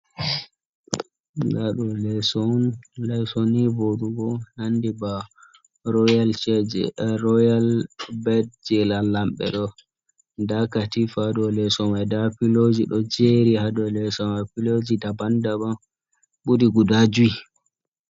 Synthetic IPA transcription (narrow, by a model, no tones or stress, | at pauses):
ɡaɗɔlɛsɔnlɛsɔnivoɗuɡɔnandiba | ɾɔjalt͡ʃɛd͡ʒɛ̰ɾɔjalbɛd̚d͡ʒɛlalːamɓɛ̰ɗɔ | dakatifadɔlɛsɔmadapilod͡ʒiɗɔd͡ʒeɾihadɔlɛsɔmapilod͡ʒidabandaba | ɓudiɡudad͡ʒui